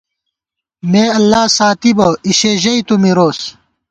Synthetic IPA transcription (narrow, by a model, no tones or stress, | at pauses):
meːɐlːaːsaːt̪ibɐiɕeːʑɐit̪umiɾoːs